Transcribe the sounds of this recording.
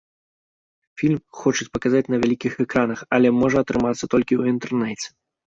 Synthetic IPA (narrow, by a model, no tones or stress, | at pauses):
fʲilʲmxɔt͡ʂɨt͡sʲpɐkazat͡sʲnɐvʲalʲikʲixɛkɾanɐxɐlʲɛmɔʐɐɐt̪ɾɨmat̪sːɐt̪ɔlʲkʲiwint̪ɛrnɛt͡sʲɛ̥